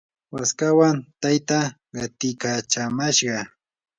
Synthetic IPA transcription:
waskawant̪ajt̪a | ɢɑt̪ɪkat͡ʃamaʃɢɑ

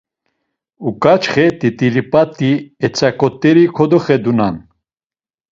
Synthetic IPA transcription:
ukʼat͡ʃχɛt̪ʼit̪ʼilipʼat̪ʼːiɛt͡sʼakʼɔt̪ʼːɛɾikʰɔd̪ɔχɛd̪unan

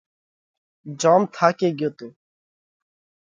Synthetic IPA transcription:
d͡ʒaːmt̪ʰaːkeːɡjoːt̪eː

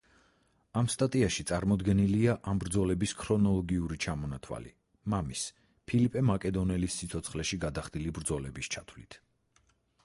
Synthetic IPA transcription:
amst̪ʼat̪ʼiaʃit̪sʼaɾmɔd̪ɡɛniliaʔambɾd̪zɔlɛbiskʰɾɔnɔlˠɔɡiuɾit͡ʃʰamɔnat̪ʰwa̰lḭ | mamis | pʰilipʼɛmakʼɛd̪ɔnɛlisːit̪sʰɔt̪sʰχlɛʃiɡad̪aχd̪ilibɾd̪zɔlɛbist͡ʃʰat̪ʰvlit̪ʰ

